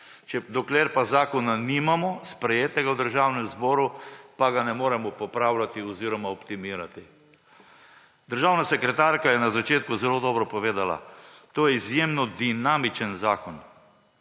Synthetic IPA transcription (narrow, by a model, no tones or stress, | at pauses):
t͡ʃɛd̪ɔkleɾpazaːkɔnanimamɔspɾɛjeːt̪ɛɡawd̪əɾʒaːwnɛmzbɔːɾupaɡanɛmoːɾɛmɔpɔpɾawlʲat̪iɔziːɾɔmaɔpt̪imiːɾat̪i | d̪əɾʒawnasɛkɾɛt̪aːɾkajɛnazat͡ʃeːt̪kuzɛloːd̪ɔːbɾɔpɔʋeːd̪ala̰t̪oːjɛizjemnɔd̪inaːmit͡ʃənzaːkɔn